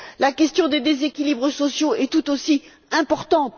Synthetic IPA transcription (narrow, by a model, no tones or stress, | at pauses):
lakʲɛst̪jɔ̃d̪ed̪ezekʲilibʁəsɔsjoɛt̪ut̪osi | ɛ̃pɔʁt̪ɑ̃t̪